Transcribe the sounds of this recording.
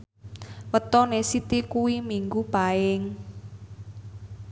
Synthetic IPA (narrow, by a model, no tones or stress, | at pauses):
wət̪ɔnesit̪ikuwimiŋɡupaɪŋ